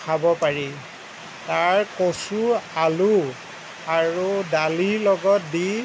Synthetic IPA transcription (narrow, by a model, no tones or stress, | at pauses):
kʰabɔpaɹi | taɹkosualu | aɹudaliɹlɔɡɔt̚di